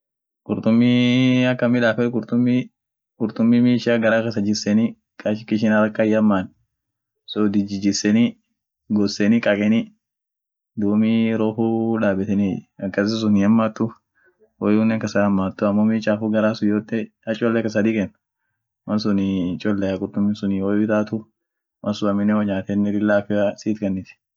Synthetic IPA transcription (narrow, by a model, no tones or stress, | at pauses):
kʼʊɾt̪ʊmːiɐkːɐmɪᶑaːfɛɾkʼʊɾt̪ʊmːi | kʼʊɾt̪ʊmːimiːʃaːɡɐɾaːkɐsɐd͡ʒɪsɛni | kʼaʃɪkːɪʃɪnaɾɐkːajɐmːaːn | sɔd̪ɪd͡ʒɪd͡ʒɪsɛni | ɡɔsːɛnɪkʼɐkʼɛnɪ | d̪uːmiɾoːɦuᶑaːbɛt̪ɛniɐkːɐsɛs̬ʊniɐmːaːt̪ːʊ | wɔjuːnːɛkːɐsɐɐmːaːt̪ːʊɐmːomit͡ʃʼaːfuɡɐɾaːsʊjoːt̪ːɛ | ɐt͡ʃʼɔlːɛkːɐs̬ɐd̪iːkʼɛnːɐ | mɐnsʊnit͡ʃʼɔlːɛɐkʼʊɾt̪ːʊmːɪnsʊniwɔjɪt̪aːt̪ʊ | mʔɐnsʊɐmɪnːɛwɐɲaːt̪ɛnːɛɾɪlːaːfɪɐsiːt̪kʼɐnːɪt̪ɪ̥